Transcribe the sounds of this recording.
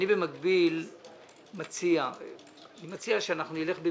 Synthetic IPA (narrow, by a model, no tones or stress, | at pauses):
nibe̞makbil | mat͡sia | animat͡siaʃeanaχnunile̞χbe